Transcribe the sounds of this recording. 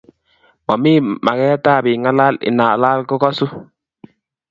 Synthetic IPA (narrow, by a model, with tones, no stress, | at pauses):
mɔ˨mi˦ma˨kɛ˦ta˦˨bɪ˨ŋa˦la˦lɪ̰˨na˨la˦lko˦kɔ˦su˦